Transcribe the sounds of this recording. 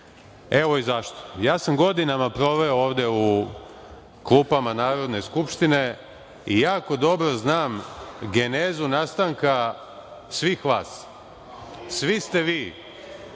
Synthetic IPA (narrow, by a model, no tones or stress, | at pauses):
e̞ʋo̞izaʃt̪ojaːsamɡo̞d̪inamapɾo̞ʋeooːʋd̪eu | klˠuːpamanaːɾo̞d̪ne̞skupʃt̪ine̞ | ijaːko̞d̪o̞bɾo̞znaːmɡe̞neːzunast̪aŋka | sʋiːxʋaːs | sʋist̪e̞ʋiː